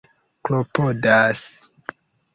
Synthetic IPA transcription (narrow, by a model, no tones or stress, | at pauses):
klopodas